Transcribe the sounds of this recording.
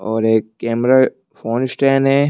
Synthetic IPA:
ɔːɾeːkːeːmɾa | foːnɪsʈɛ̃ːnɦɛː

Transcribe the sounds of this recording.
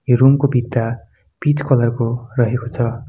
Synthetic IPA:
rumkobʱit̪ːa | pit͡skʌlʌrkorʌɦekot͡sʰʌ

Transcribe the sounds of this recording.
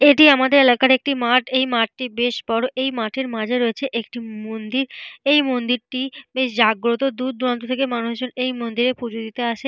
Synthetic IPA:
eʈiamad̪eɾelakaɾek̚ʈimaʈejmaʈ̚ʈibeʃbɔɾoʔejmaʈʰeɾmãd͡ʑʱeɾoet͡ɕʰeʔek̚ʈimond̪iɾejmond̪iɾʈibeʃ̬d͡ʑaɡɾot̪od̪uɾ̚d̪uɾant̪ot̪ʰekemanuʃd͡ʑonejmond̪iɾepud͡ʑod̪it̪eaʃe

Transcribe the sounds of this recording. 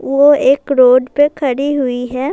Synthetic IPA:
ʋoeːkɾoːɖpekʰɐɽiɦʊiɦɛː

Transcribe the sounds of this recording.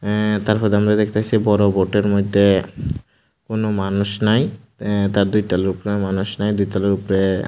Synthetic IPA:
t̪aɾpʰɔɾd̪amɾad̪ekʰt̪eat͡ɕʰibɔɾoboʈeɾmojd̪ʱːe | konomanuʃnaj | t̪aɾd̪ujtaloɾupɾemanuʃnajd̪ujʈaloɾupɾe

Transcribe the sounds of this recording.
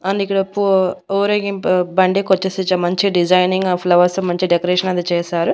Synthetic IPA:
ɐnd̪ikːɐɽɐpːuoːɾɐɡipbɐɳɖikot͡ʃːɐsit͡ʃːɐmɐɲt͡ʃiɖid͡ʒɐjniŋɡpʰlɐʋɐst̪uːmɐɲt͡ʃiɖɛkɐɾɛːʂɐnɐd̪it͡ʃɛːsaːɾu

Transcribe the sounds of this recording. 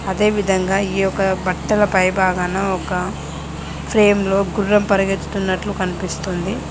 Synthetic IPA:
ɐd̪e̞ːʋid̪ʱɐŋɡaːiːɔkɐbʱɐkʈːɐlɐpɐjbaːɡɐnɐɔkɐ | pʰɾe̞ːmlo̞ːɡuɾɐmpɐɾɐɡet̪ːu̥t̪unːɐʈlukɐnipist̪und̪i

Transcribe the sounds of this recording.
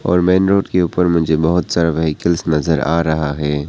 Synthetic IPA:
ɔ̰ːɾmɛːnɾoːʈkeuːpəɾmʊ̃d͡ʒʱebɐɦʊt̪saːɾaʋɐɦikɪlsnɐzəɾa̰ːɾɐɦaɦɛː

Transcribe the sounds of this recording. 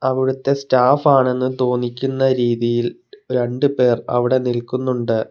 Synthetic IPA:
ɐʋiɽut̪ːe̞staːfaːɳe̞nːɨt̪o̞ːnikʲːunːɐɾiːðijil | ɾe̞ɳɖɨpe̞ːrɐ̰ʋiɽe̞nilkunːuɳɖɨ

